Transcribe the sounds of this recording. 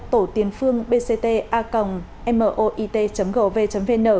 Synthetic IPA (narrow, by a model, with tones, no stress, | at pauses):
t̪o˧˩t̪i˨˦ənfɨ˧əŋɓe˧se˧t̪e˧ʔaː˧kə˨˩wŋ͡m | ʔɛ˧mʔəː˧˨˩ʔo˧ʔi˧t̪e˧t͡ɕə˨˦mɣə̰ː˧˩ve˧t͡ɕə˨˦mve˧nəː˧˩